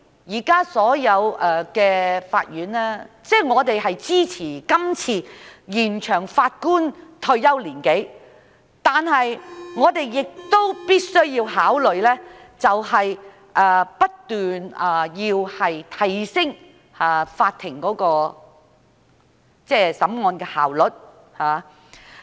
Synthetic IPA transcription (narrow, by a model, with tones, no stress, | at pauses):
jiː˨˩kaː˥sɔː˨˥jɐ˨˧wɛ˧kɛː˧fa̰ː˧t̚jyː˨˥nlɛː˥t͡sɛː˥˩ŋɔː˨˧t̪e˨jɦɐ˨jt͡siː˥t͡sʰiː˨˩kɐ˥mt͡sʰiː˧jiː˨˩nt͡ʃʰœː˨˩ŋfaː˧t̚kuː˥nt̪ʰɵ˧ɥjɐ˥wliː˨˩nke˨˥j | t̪aː˨nhɐ˨jŋɔː˨˧t̪e˨jːɪ˨k̚t̪o˥wpiː˥t̚sɵ˥ɥjiː˧whaː˨˥wlɵ˨ɥlɛː˥t͡sɐ˨whɐ˨j | ʔɛː˧pɐ˥tt̪yː˨na˨˧jiː˧whɐ˨jt̪ʰɐ˨˩jsɪ˥ŋ | haː˨˧faː˧t̪ʰːɪ˨˩ŋkɔː˨˥kɔː˧ | t͡sɛː˥˩sɐ˨˥mŋɔː˧nkɛː˧haː˨˩wlɵ˨˩t̚ | haː˨